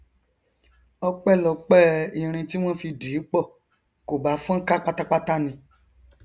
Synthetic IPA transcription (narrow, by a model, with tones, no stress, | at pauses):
ɔ˧k͡pɛ˦˨lɔ˨k͡pɛ˦i˨ɾ̃ĩ˧ti˦w̃ɔ̃˦fi˧di˨˦k͡pɔ˦˨ | ko˨ba˨˦fɔ̃˦ka˦k͡pa˦ta˦k͡pa˦ta˦nĩ˧